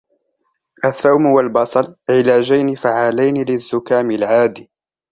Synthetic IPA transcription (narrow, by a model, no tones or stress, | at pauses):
ʔaθːawmwalbɑsˤɑlʕɪlaːd͡ʒajnɪfaʕaːlajnɪlɪzːʊkaːmɪlʕaːd̪iː